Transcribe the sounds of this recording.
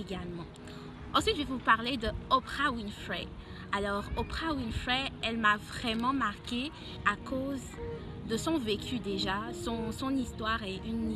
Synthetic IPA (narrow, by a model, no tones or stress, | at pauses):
eɡalmɑ̃ | ɑ̃sɥit̪ʒevupaʁled̪əopʁawinfʁɛ | alɔʁopχawinfɛɛlmavʁɛmɑ̃maʁkʲe | akʰoz | d̪əsɔ̃vekʲʰyd̪eʒasɔ̃sɔ̃nist̪waʁeyn